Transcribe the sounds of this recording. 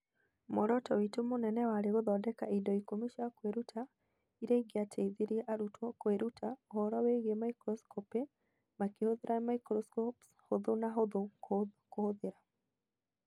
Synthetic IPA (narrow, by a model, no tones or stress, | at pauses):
moɾɔtɔwitumonɛnɛwaːɾeɣoðɔdɛkaidɔikomiʃaakweɾutʰa | iɾeiɡeatʰeiðeɾiɛʔaɾutwɔkweɾutʰaohɔɾɔweɣemaikɾɔskɔpe | makehoðeɾʔamaikɾɔskɔpshoðonaɦoðokohoðeɾa